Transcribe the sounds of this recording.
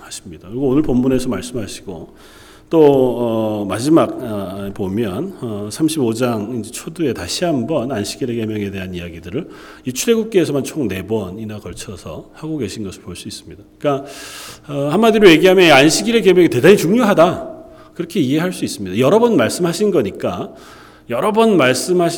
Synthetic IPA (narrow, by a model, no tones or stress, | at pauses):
haɕʰi̥mɲidakɯɾiɡoonɯɭpʌmːunesʰʌmaɭs͈ɯmɦaɕʰi̥ɡ̥o̰ | t͈oʌmad͡ʑimaɡepomjʌnʌsʰamɕʰibod͡ʑaŋind͡ʑe̞t͡ɕʰodue̞taɕʰiɦambʌnanɕʰi̥ɡiɾe̞ke̞mjʌŋe̞te̞ɦanijaɡidɯɾɯɭ | it͡ɕʰuɾe̞ɡuk̚k͈eːsʰʌmant͡ɕʰoŋne̞bwʌninakʌɭt͡ɕʰʌsʰʌ̰haɡoɡe̞ɕʰinɡʌsʰɯɭpoɭs͈uis͈ɯ̥mɲidak͈a | ʌhanmadiɾoje̞ɡiɦamjʌnianɕʰiɡiɾekemjʌŋɡete̞dait͡ɕuŋɲjoɦada | kɯɾʌkʰe̞iɦe̞ɦaɭs͈uis͈ɯmɲidajʌɾʌbʌnmaɭs͈ɯmɦaɕʰinɡʌɲik͈a | jʌɾʌbʌnmaɭs͈ɯmɦaɕ